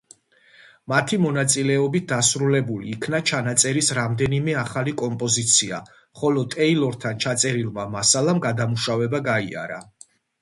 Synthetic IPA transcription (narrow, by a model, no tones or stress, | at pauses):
mat̪ʰimɔnat̪sʼilɛɔbit̪̚ʰd̪asɾulɛbuliːkʰnat͡ʃʰanat̪sʼɛɾisɾamd̪ɛnimɛaχalikʼɔmpʼɔzit̪sʰia̰ | χɔlɔt̪ʼɛilˠɔɾt̪ʰant͡ʃʰat̪sʼɛɾilˠmamasalamɡad̪amuʃavɛbaɡaḭa̰ɾa̰